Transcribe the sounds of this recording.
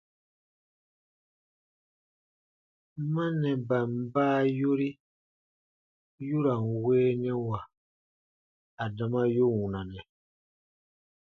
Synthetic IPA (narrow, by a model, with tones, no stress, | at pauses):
mã˦nɛ̃˨ba˨m̩˨˦baː˦jo˦ɾi˦ | ju˦ɾa˨n˨weː˦nɛ̃˦wa˨ | a˨da˨mã˦jo˦wũ˨nã˨nɛ̃˨